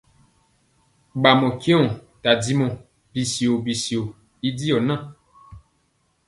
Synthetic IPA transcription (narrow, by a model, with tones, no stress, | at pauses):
ɡ͡ba˨mɔ̃˨kẽ˦ɔ̃˨ta˨di˦mɔ̃˨ | bi˨si˨o˨bi˨si˨o˨ | i˦di˦ɔ˨nã˦